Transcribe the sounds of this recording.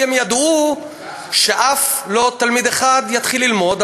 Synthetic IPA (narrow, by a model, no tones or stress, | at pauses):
emjad̪u | ʃeʔaflo̞t̪almid̪eχad̪jat̪χilːilmo̞d̪